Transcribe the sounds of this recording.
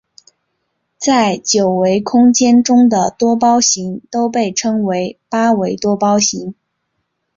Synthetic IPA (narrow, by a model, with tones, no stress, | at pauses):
t͡sa˥˩ɪt͡ɕjo˨˩ʊwe˧˥ɪkʰʊ˥ŋt͡ɕjɛ˥nʈ͡ʂʊ˥ŋd̪ə˨t̪wɔ˥p̬ɑ˥ʊɕi˧˥ŋt̪o˥ʊp̬e˥˩ɪʈ͡ʂʰɤ˥ŋwe˧˥ɪpa˥we˧˥ɪt̪wɔ˥pɑ˥ʊɕi˧˥ŋ